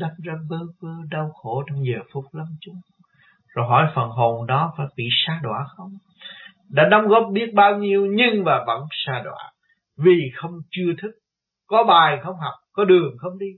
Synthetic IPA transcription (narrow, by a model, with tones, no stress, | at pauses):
ɗa˨˦mzaː˧ɓəː˧˦vəː˧ɗə˧wxo˧˩tɔ˧wŋ͡mzəː˨˩fʊ˨˦˥k͡p̚lə˧mt͡ɕʊ˨˦ŋ͡m | zo˨˩jɦɔ˧˩˦jfə˨˩nɦo˨˩nɗɔ˨˦faː˧˩jɓḭ˧˨saː˧ɗwa̰ː˧˩xə˧wŋ͡m | ɗa̰ː˧˥ɗa˨˦ŋ͡mɣɔ˦˥p̚ɓi˦˥ət̚ɓaː˧wɲi˧əwɲɨ˧ŋmaː˨˩və̰˧˥nsaː˧ɗwa̰ː˧˩ | vi˨˩xə˧wŋ͡mt͡ɕɨ˧ət̪ʰɨ˦˥k̚ | kɔ˨˦ɓaː˨˩jxə˧wŋ͡mɦa˨˩wk͡p̚kɔ˨˦ɗɨ˨˩əŋxə˧wŋ͡mɗi˧